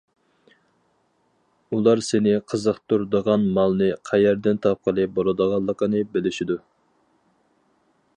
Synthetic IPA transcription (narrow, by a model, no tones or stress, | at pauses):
ulˠɑɾsɪnɪqʰəzəχt̪ʰuɾd̪əʁɑnmɑlˠnɨqʰæjæɾd̪ɪnt̪ʰɑp̚qʰəlˠɨbolˠɨd̪əʁɑlˠːəqənɨbɪlɪʃid̪u